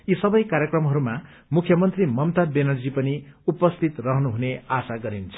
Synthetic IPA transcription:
jisʌbʌjkaɾjekrʌmɦʌɾuma | mukʰjʌmʌnt̪rimʌmt̪abenʌrd͡zipʌniupʌst̪ʰit̪rʌɦnuɦuneasaɡʌɾint͡sʰʌ̥

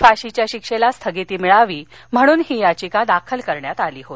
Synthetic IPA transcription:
faɕit͡ɕjaɕikʂelast̪ʰəɡit̪iːmiɭaʋiːm̤əɽ̃uːnɦiːjat͡ɕikad̪akʰəlkəɾɳjat̪aliːɦot̪

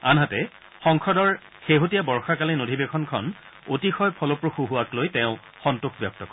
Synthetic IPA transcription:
anɦatɛ | xɔŋkʰɔdɔɹ | xeɦotijabɔɹxakalenodʱibekʰɔnkʰɔ̰n | otixɔjpʰɔlopɹoxuɦuwaklojtɛ̃ʊ̃ | xɔntuxbjɔk̚tɔkɔ

